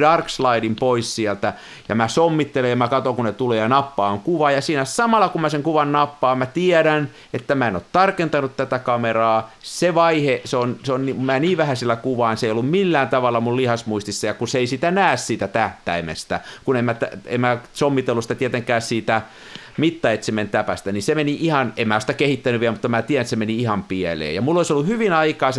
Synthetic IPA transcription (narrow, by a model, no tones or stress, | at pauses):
dɑrkslɑiɾimpoissiælt̪æ | jɑ̰mæsomːit̪ːelejɑmækɑt̪oŋkunet̪uleːjɑnɑpːɑːŋkuʋɑjɑsiːnæsɑmɑlːɑkumæseŋkuʋɑnnɑpːɑːmmæt̪iɛɾæn | et̪ːæmæeno̰t̪t̪ɑrkent̪ɑnut̪t̪æt̪ækɑmerɑːseʋɑiheseonseonnimæːniːʋʋæhæsilːækuʋɑːnseijolːummilːæːnt̪ɑʋɑlːɑmullihɑsmuist̪isːɑjɑkuseisit̪ænæːssiːt̪æt̪æht̪æimḛst̪ækunemmæt̪æḛmmæsomːit̪elːusĭt̪æt̪iet̪eŋkæːssiːt̪æ | mit̪ːɑet̪siment̪æpæst̪ænisemeniʔihɑnemæːosit̪ækehit̪ːænyʋʋiælmut̪ːɑmæt̪ieænet̪semeniihɑmpiɛlḛːjɑmulːoisolːuhyʋinɑikɑːse